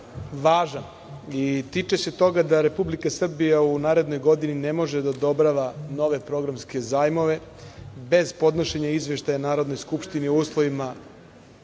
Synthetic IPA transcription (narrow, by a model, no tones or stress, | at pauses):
ʋaːʒan | it̪it͡ʃese̞t̪o̞ɡad̪aɾe̞publikasr̩bijaunaːɾe̞d̪no̞jɡo̞d̪inine̞mo̞ʒed̪aod̪o̞bɾaʋano̞ʋe̞pɾo̞ɡɾamske̞zaːjmo̞ʋe̞be̞zpo̞d̪no̞ʃe̞ɲaizʋe̞ʃt̪ajanaːɾo̞d̪no̞jskupʃt̪iniouːslˠo̞ʋima